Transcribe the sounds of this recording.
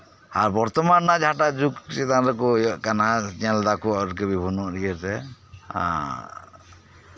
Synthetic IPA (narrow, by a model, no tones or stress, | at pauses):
aɾbɔɾt̪ɔmanːad͡ʒʱaʈad͡ʒuksɛt̪anɾɛk̬ɔjɔʔkanat͡ʃɛld̪akɔaɾk̬ɛbibʱɔnɔʔɾiɛɾt̪ɛa̰